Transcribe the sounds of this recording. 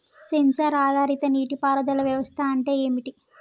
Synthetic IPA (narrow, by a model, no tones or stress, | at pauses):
sensɐɾaːd̪ʱaːɾit̪ɐniːʈipaːɾɐd̪ɐlɐʋjɐʋɐst̪ʰaɐɳʈe̞ːeːmiʈi